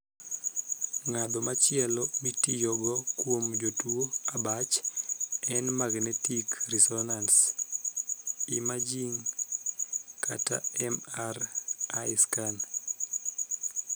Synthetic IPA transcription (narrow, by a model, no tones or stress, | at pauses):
ŋad̪ɔmat͡ʃɪɛlɔmitijɔɡɔkwomd͡ʒotuoabat͡ʃ | ɛnmaɡnɛtikrisɔnans | imad͡ʒiŋ | kʰa̰ta̰ɛmaraskan